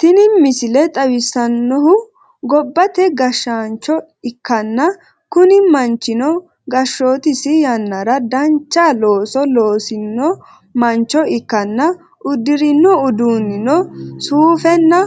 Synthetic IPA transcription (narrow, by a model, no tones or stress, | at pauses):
t̪ɪnɪmɪsɪlɛt̪ʼɐwɪsːɐnːɔɦʊ | ɡɔbːɐt̪ɛɡɐʃːaːnt͡ʃːɔ | ɪkːɐnːɐ | kʊnɪmɐnt͡ʃːɪnɔ | ɡɐʃːoːt̪ɪsɪjɐnːɐɾɐd̪ɐnt͡ʃːalo̞ːsɔloːsɪnːɔ | mɐnt͡ʃːɔɪkːɐnːɐ | ʔʊd̪ːɪɾɪnːɔʊd̪uːnɪnɔsuːfɛnːɐ